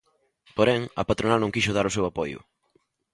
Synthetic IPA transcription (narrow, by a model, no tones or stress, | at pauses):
poɾɛŋɐ̰pat̪ɾonanõŋkiʃʊð̞aɾʊsewapɔjʊ̰